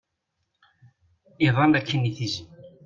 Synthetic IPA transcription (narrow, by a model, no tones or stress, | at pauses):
iðˤɑnd̪ækːəniθizən